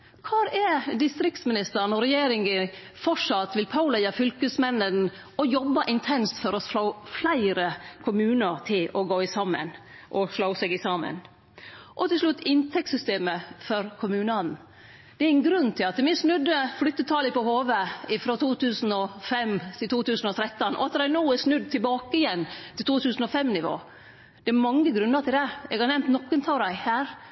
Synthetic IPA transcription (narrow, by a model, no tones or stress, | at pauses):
kʰɑːɾɛd̪ɪst̪ɾɪk̚t̪smɪnɪst̪əɾnɔɾɛjeːɾɪŋə | fɔʂɑt̪ːʋɪlpʰɑʊlæɪɑfʏlkəsmɛnːən | ɔjɔbːɑʔɪnt̪ʰɛnst̪fɔɾɔoʊflæɪɾəkʰʊmʉːnəɾt̪ʰɪlɔɡoːɪsɑmːə̰n | ʔɔʂloʊsɛɡɪsɑːmə̰n | ʔɔt̪ʰɪlʂlʉt̪ːɪnt̪ʰɛk̚tsʏst̪eːməfɔɾkʰʊmʉːnɑn̩ | d̪̥ɛæɾɪn̩ɡɾʉnːt̪ʰɪlɑt̪mɪsnʉd̪əflʏt̪ːət̪ʰɑːləpɔhoːʋəɪfɾot̪ʰuːt̪ʰʉːsn̩ɔfɛmt̪ʰɪlt̪ʰuːt̪ʉːsn̩ɔt̪ʰɾɛt̪ːənʔɔ̰ɑt̪d̪æɪnuːɛsnʉd̪̚t̪ʰɪlbɑːkəɪjɛnːt̪ʰɪlt̪ʰuːt̪ʰʉːsn̩ɔfɛmnɪʋo̰ː | d̪̥ɛæɾmɑŋːəɡɾʉnːətʰɪld̪ɛɛ̰ɡɑɾnɛmt̪nɔkːənt̪ʰɑʊɾæɪhæːɾ